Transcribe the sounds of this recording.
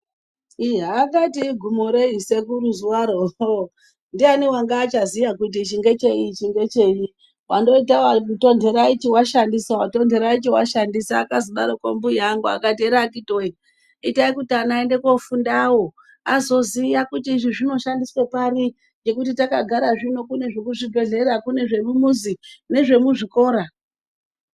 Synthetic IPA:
iɦaːkatiɡʱumoɾe̞ise̞kuɾuzuwaɾo | ndianiwaŋɡaːt͡ʃazijakut̬it͡ʃiŋɡe̞t͡ʃe̞it͡ʃiŋɡe̞t͡ʃe̞ji | wando̞itawato̞nde̞ɾait͡ʃiwaʃandisawato̞ndʱe̞ɾait͡ʃiwaʃandisaːkaziɓaɾoko̰mbujaŋɡua̰katieɾakitoi | itaikutianaende̞kwofundawo̞ | azo̞zijakutiːʐiʐino̞ʃandiswepari | d͡ʒe̞kut̬itakaɡʱaɾaʐino̞kune̞ʐekuʐibʱe̞ɮe̞ɾakune̞ʐe̞mumuzine̞ʐe̞muʐiko̞ːɾa

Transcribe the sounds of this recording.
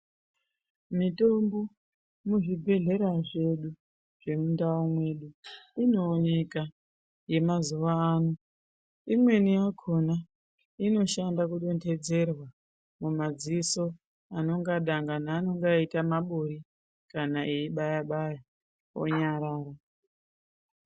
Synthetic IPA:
mito̞mbo̞ | muʐibʱe̞ɮe̞ɾaʐe̞ɗu | ʐ̥e̞mundaomwe̞ɗuino̞ːne̞ka | je̞mazuʋaːno | imwe̞nijakʰona | ino̞ʃandakuɗo̞nte̞d͡ze̞rwa | mumad͡ziso̞ | ano̞ŋɡaɗaŋɡanaːno̞ŋɡaitamaɓoɾi | kanaʔeiɓajaɓaja | o̰ɲaɾaːɾa

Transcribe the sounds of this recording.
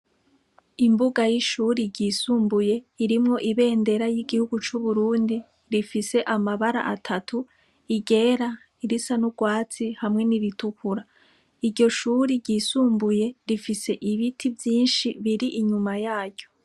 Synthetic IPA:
imbuɡajiʃuɾiɟisuːmbuje̞iɾimŋo̞ʔiβe̞ːnde̞ɾajiɡihuɡut͡ʃuβuɾuːndi | ɾifise̞ʔamaβaɾa̰ʔatʰatʰu | iɡe̞ːɾa | iɾisanuɡwaːt͡sihamŋe̞niɾitukuɾa | iɾɟo̞ʃuːɾiɟisuːmbuje̞ɾifise̞ʔiβitʰivjiːnʃiβiɾiʔiɲumajaːɟɟo̞

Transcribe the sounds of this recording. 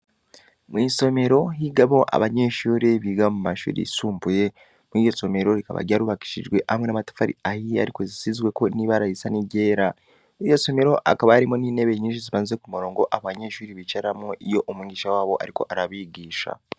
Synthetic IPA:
mwiso̞me̞ɾo̞ɦiɡaβo̞ʔa̰βaɲe̞ʃuːɾiβiːɡamumaʃṵːɾḭsuːmbuje̞ | mijo̞so̞me̞ɾo̞ɾika̰βa̰ɟaɾuβaki̥ʃḭʒɡwe̞ʔhamŋe̞namatḁfaɾḭahia̰ɾiko̞zisizɡwe̞ko̞niβaɾaisaniɟe̞ːɾa | ijo̞so̞me̞ɾo̞ʔa̰kaβaaɾimo̞niːne̞βe̞ɲiːʃ̬iziβaːniekumuɾo̞ːŋɡo̞ʔaββaɲe̞ʃuːɾiβit͡ʃaɾamoʔijo̞ʔomwiːɡɟiːʃawaːβo̞ʔaɾiko̞̰ʔaɾaβiɡiːʃa̰

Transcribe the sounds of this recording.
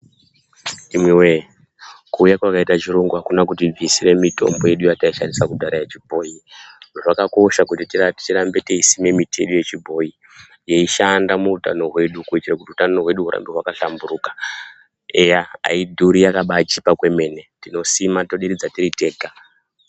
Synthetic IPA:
imwewe | kuːjakwakaitat͡ʃiɾoŋɡuɦakunakutib͡visiɾe̞mito̞̰mbo̞je̞ɗujataiʃandisakudaɾajat͡ʃibʱo̞jiʐoʐakako̞ʃakutititirambeteisime̞mitʰeɗojet͡ʃibʱo̞ji | jeiʃandamuuta̰no̞ɦwe̞ɗukuitirakutiutaoɦwe̞ɗuɦuɾa̰mbiɦwakaɬambuɾukḁ | ejaa̰idʱuɾijakaɓat͡ʃipakwe̞me̞ne̞tino̞simato̞ɗiɾid͡zatiɾite̞ːka

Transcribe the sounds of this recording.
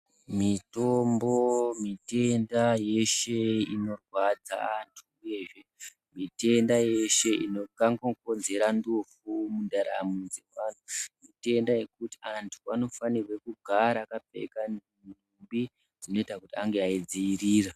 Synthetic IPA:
mito̞mbo̞mite̞ndaje̞ʃe̞ino̞rwad͡za̰antʰuuje̞ʐe̞ | mite̞ndaje̞ʃe̞ino̞kaŋɡoko̞nze̞ɾandufumundaɾa̰mund͡ze̞ʋantʰumite̞ndaje̞kuti̥antʰuano̞fanirwe̞kuɡʱaɾaːkap͡fḛka | numbi | d͡zino̞itakutiaŋɡeaid͡ziiriːra

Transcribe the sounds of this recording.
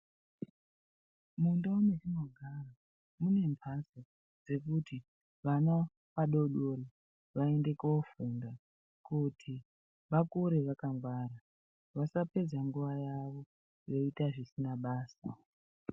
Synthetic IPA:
mundaunet͡ʃinoɡʱara | mune̞mpʰasi | d͡ze̞kuti | ʋana | paɗo̞ɗoɾi | ʋae̞nde̞kofunda | kutʰi | ʋakuɾeʋakaŋɡwaːɾa | ʋasape̞d͡zaŋɡuʋajaʋo̞ | jo̞itaʐisinaɓaːsa

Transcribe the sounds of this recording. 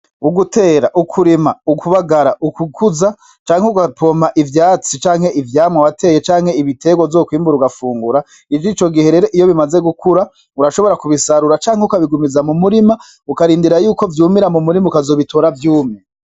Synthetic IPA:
uɡutʰe̞ːɾaʔukʰuɾimaukʰuβaɡaɾaʔukukʰuza | t͡ʃaːŋheuɡapomaʔivjaːt͡sit͡ʃaːŋ̥he̞ʔivjaːmŋawate̞ːje̞t͡ʃaːŋ̥heiβite̞ɡwovzokwiːmbuɾuɡafuːŋɡuɾa | iviːt͡ʃo̞ɡihe̞ɾe̞ɾoʔijo̞βimaze̞ɡukʰuɾa | uɾaʃo̞βo̞ɾakuβisaɾuɾat͡ʃaːŋheukaβiɡumizamumuɾima | ukaɾiːndiɾajuːko̞vjuːmiɾamumuɾimaukazo̞ːβitʰoːɾavjuːme

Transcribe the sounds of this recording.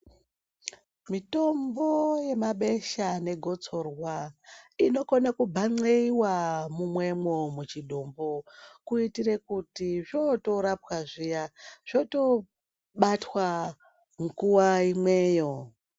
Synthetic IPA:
mito̞mboje̞maɓe̞ʃane̞ɡʱo̞t͡so̞rwaino̞konakubʱaŋ͡ǀeiwamumwe̞mwomut͡ʃiɗombokuitire̞kutiʐoto̞ɾapwaʐijaʐ̥oto̞ | ɓatwa | ŋkuwaimwe̞ːjo̞

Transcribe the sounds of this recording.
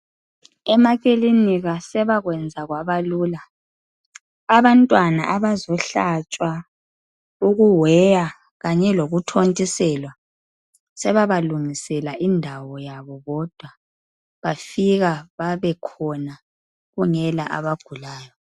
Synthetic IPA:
ɛmaɣ̬ʼiliniɣasɛβaɣwɛnd͡zʱaɣwaβaluːla | aβantʼwana̰ʔaβazɔɬat͡ʃʼwa | uɣuwɛja | ɣaɲɛloɣutʰontʼisɛlwa | sɛβaβaluŋisɛlaʔindʱawɔjaβɔɣɔd̥ʱwa | βafiɣaβaβɛkʰɔna | ɣuŋɛlaʔa̰βaɡ̥ʱulaːjɔ

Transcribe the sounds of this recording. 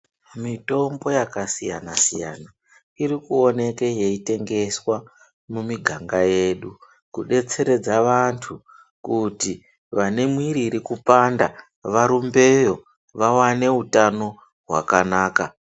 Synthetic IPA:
mito̞mbo̞jakasija̰nasija̰na | iɾikuo̞ne̞ke̞je̞ite̞ŋɡe̞swa | mumiɡʱaŋɡaje̞ːɗu | kuɗe̞t͡se̞ɾe̞d͡zaʋantʰu | kuti | ʋane̞mwiɾiɾikupanda | ʋaɾumbe̞jo̞ | ʋawane̞utano̞ | ɦwa̰kanaːka

